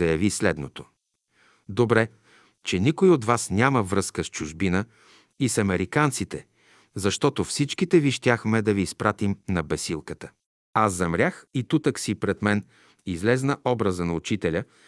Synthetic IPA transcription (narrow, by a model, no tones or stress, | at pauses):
ɐjɐvislɛd̪not̪o | d̪obɾɛ | t͡ʃɛnikoiod̪vasnʲaməvɾɤskəst͡ʃʊʒbinə | isɐmɛɾikant̪sit̪ɛ | zɐʃt̪ɔt̪ofsit͡ʃkit̪ɛviʃt̪ʲjaxmɛd̪ɐviːspɾat̪imnɐbɛsilˠkət̪ə | azːɐmɾʲjaxit̪ut̪əksipɾɛd̪mɛn | izlɛznəʔɔbɾəzənɐut͡ʃit̪ɛlʲə